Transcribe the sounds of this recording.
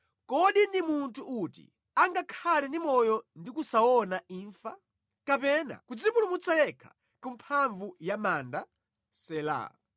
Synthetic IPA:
kɔɗindimuntʰuʔutḭ | aŋɡakʰalɛndimɔjɔndikusaɔnaiːɱfa | kapɛna̰kud͡zipulumut͡sajɛkʰḁ | kumpʰaɱvujamanda | sɛla̰

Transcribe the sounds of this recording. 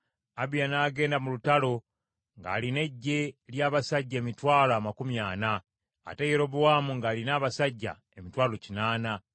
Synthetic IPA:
aβijanaːɡe̞ːndamulutalo̞ | ŋɡa̰ːline̞ɟːe̞ljaːβasaɟːaemitwaːloamakumjaːna̰ː | tejeɾo̞βuwaːmuŋɡaːlinaːβasaɟːa̰ | e̞mitwaːlo̞cinaːna

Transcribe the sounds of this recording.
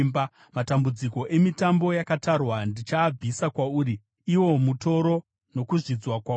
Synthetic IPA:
mba | matambud͡ziko̞ʔe̞mitambo̞jakatarwandit͡ʃaːb͡visakwauːɾi | iwo̞muto̞ɾo̞ | no̞kuʐid͡zwakwa

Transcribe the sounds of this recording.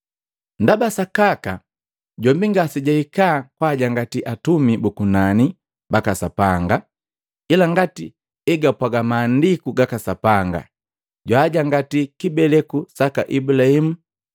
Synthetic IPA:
ndabasakaka | ɟɔmbiŋɡasiɟaikaːkwaːɟaŋɡatiʔatumibukunani | bakasapaŋɡa | ilaŋɡati | ɛɡapwaɡamaːndikuɡakasapaŋɡa̰ | ɟwaːɟaŋɡatikibɛlɛkusakaʔibulahimu

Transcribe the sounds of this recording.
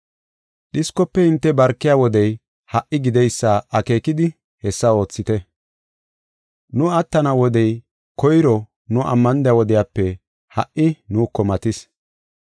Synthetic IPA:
ɗɪskɔpːɛɪnt̪ːɛbɐɾkːɪjaːwɔd̪ɛj | hɐʔːɪɡɪd̪ɛjsːaʔɐke̞ːkɪd̪ɪ | hɛsːɐo̞ːt͡sːɪt̪ɛ | nʊɐt̪ːɐnɐwɔd̪ɛj | kɔjɾɔ | nʊʔɐ̰mːɐnd̪ɪjawɔd̪ɪjaːpːɛ | hɐʔɪnuːkːɔmɐt̪ɪs

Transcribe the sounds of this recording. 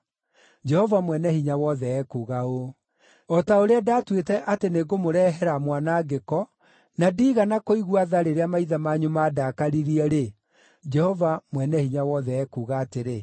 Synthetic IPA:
d͡ʒɛhɔvamwɛnɛhiɲawɔðɛɛkuːɣao | ɔtaoɾeadatwetɛʔateneɣomoɾɛɦɛɾamwanaɡekɔ | nadiːɣanakoiɣwaðaɾeɾeamaiðamaɲomadakaɾiɾiɛɾe | d͡ʒɛhɔvamwɛnɛhiɲawɔðɛɛkuːɣaːteɾe

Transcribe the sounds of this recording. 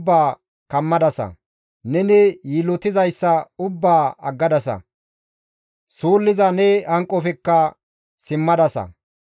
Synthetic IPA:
bːaː | kɐmːɐd̪ɐsɐ̰ | nɛnɪjiːlɔt̪ɪzɐjsːɐʊbːaːɐɡːɐd̪ɐsɐ̰ | suːlːɪzɐnɛɐŋkʼːɔfɛkːɐ | sɪmːɐd̪ɐsɐ̰

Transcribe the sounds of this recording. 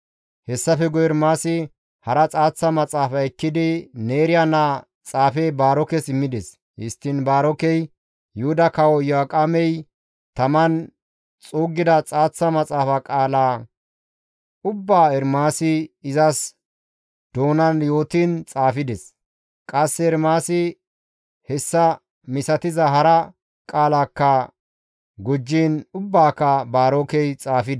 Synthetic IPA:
hɛsːɐfɛɡɔjɛɾmaːsɪ | hɐɾɐt͡sʼaːt͡sːɐmɐt͡sʼaːfɐɛkːɪd̪ɪne̞ːɾɪjanaː | t͡sʼaːfɛjbaːɾɔkɛsɪmːɪd̪ɛs | hɪst̪ːɪnbaːɾɔkɛj | jʊhʊd̪ɐkɐwɔjɔakʼɐmɛj | t̪ɐmɐn | t͡sʼuːɡːɪd̪ɐt͡sʼaːt͡sːɐmɐt͡sʼaːfɐkʼaːlaː | ʔʊbːaːɛɾmaːsɪɪzɐs | d̪̥o̞ːnɐnjo̞ːt̪iːnt͡sʼaːfɪd̪ɛs | kʼɐsːɛɛɾmaːsɪ | hɛsːɐ | mɪsɐt̪ɪzɐɦɐɾɐ | kʼaːlaːkːɐ | ɡʊd͡ʒːiːnʊbːaːkːɐbaːɾoːkɛjt͡sʼaːfɪd̪

